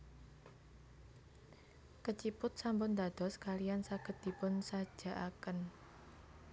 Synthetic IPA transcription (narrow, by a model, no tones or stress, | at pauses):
kət͡ʃipʊt̪̚sampʊnd̪a̤d̪̥ɔ̤skalijansaɡ̥əd̪̚d̪̥i̤pʊnsad̥ʒ̥ä̤ʔakən